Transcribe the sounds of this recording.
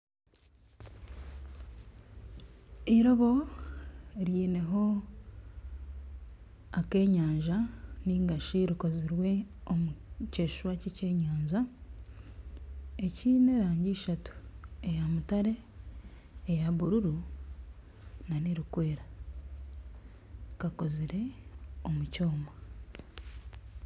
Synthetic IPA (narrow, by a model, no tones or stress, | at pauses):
iɾo̞βo̞ | ɾiːne̞ɦo̞ | ake̞ːɲaːɲʒaniːŋɡaʃiɾiko̞ziɾwe̞omuce̞ːʃwacece̞ːɲaːɲʒa | eciːne̞ɾaːɲɟiːʃatu̥ejamutaɾe̞ | jaβuɾuɾu | naniɾikwe̞ːɾa | kako̞ziɾe̞omuco̞ːma